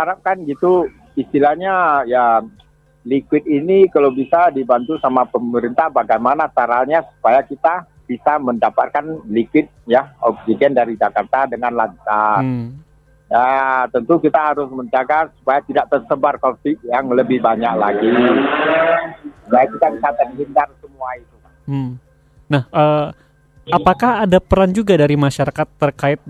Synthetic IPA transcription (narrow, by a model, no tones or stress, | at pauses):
haɾap̚kanɡit̪u | ist̪ilahɲaja | likwɪt̪̚inikalawbisadibant̪usamapəməɾint̪ahbaɡajmanasaɾalɲasu̥pajakit̪a | b̥isaməndapat̪̚kanlikwɪt̪̚jaɔb̚siɡɛndaɾid͡ʒakart̪adəŋanlaɲt͡ʃas | jat̪ənt̪ukit̪aɦaɾʊsməɲd͡ʒaɡarsu̥pajat̪idaʔ̚t̪ərsəbarkɔsiʔ̚jaŋləbɪhbaɲaklaɡi | supajakit̪abisat̪əŋɦindarsəmuait̪uka | m̩ | nahʔəː | apakahadapəɾand͡ʒuɡadaɾimaʃaɾakat̪ːərkaɪt̪̚